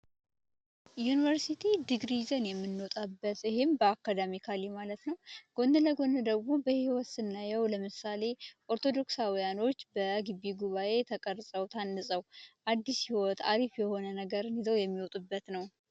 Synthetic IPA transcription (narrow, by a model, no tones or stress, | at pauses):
junivəɾsit̪ʰid̪ɨɡɾizənjɛmːɨnːot̪ʼabːət̪ɨɦembəakːad̪amikʰalimalət̪nəwɡ̥o̞nd̪ɨləɡo̞nd̪ɨd̪əɡmo̞bəhiwɔt̪sɨnːajɛwləmɨsale̞ʔo̞ɾt̪ʰo̞d̪o̞ksawijano̞t͡ʃːbəɡɨβːiɡuβaʔe̞t̪ʰəkʼəɾsʼəwt̪ʰanːɨsʼəwʔad̪ːishiwɔt̪aɾifjɛho̞nənəɡəɾɨnizəwjɛmːiwɔt̪ʼubːət̪nəw